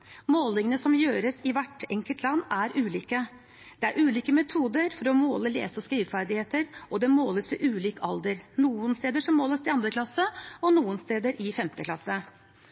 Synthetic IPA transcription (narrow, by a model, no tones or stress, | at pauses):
moːlɪŋənəsɔmjøːɾəsɪʋæʈɛŋkəlt̪ʰlɑnːæɾʔʉːliːkə | d̪ɛæɾʔʉːliːkəmɛt̪ʰuːd̪əɾfɔɾɔmoːləlḛːsɔskɾiːʋfæɾd̪ɪheːt̪əɾɔd̪ɛmoːləsʋɛʔʉːliːkəɑld̪əɾnuːənst̪eːd̪əʂɔmːoːləsɪɑnd̪ɾəkʰlɑsːəɔnuːənst̪eːd̪əɾʔɪfɛmt̪əkʰlɑsːə